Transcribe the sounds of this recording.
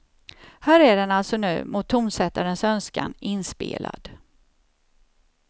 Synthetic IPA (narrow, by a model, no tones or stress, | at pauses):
hœːɾæɖɛnalt̪sɔnʉ̟ːmʊt̪ʰːʊmsɛt̪aɾənsœnska̰nɪnspḛːla̰d̪̥